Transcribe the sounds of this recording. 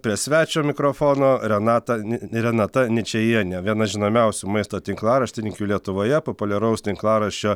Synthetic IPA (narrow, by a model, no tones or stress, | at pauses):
pʲɾʲiɛsʲʋʲæːt͡ʃʲoːmʲɪkɾoːfoːnoːɾʲɛnɑːt̪ɐɾʲɛnɑt̪ɐnʲɪt͡ʃʲɛjiɛnʲɛʋʲiɛnɐʒʲɪnoːmʲɛʊsʲuːmɐɪst̪oːt̪ʲɪŋklˠɑːɾɐʃʲt̪ʲɪnʲɪŋʲkʲuːlʲiɛt̪ʊʋoːjɛpopʊlʲɛɾɐʊst̪ʲɪŋklˠɑːɾɐʃʲt͡ʃʲoː